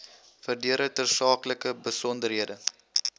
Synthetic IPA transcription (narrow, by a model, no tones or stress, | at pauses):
fərdiəɾətərsɑːkləkəbəsɔndərɦiədə